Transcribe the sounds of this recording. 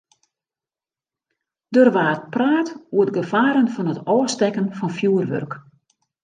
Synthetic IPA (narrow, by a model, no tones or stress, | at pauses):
d̥ørʋaːtpraːtuət̚ɡəfaːɾənfɔnətɔːstɛkənfɔnfjuːərʋø̰rk